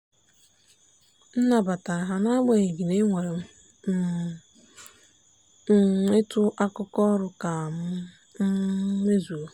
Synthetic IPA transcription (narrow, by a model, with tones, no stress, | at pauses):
n̩˦na˨ba˨ta˨ɦa˨na˦a˦ɡ͡ba˨e˨ɡi˨ne˦ŋʷe˨ɾe˨m̩˦ | e˦tʊ˦ʔa˦kʊ˦kɔ˦ɾʊ˨ka˨m̩˦ | me˦zu˨o˨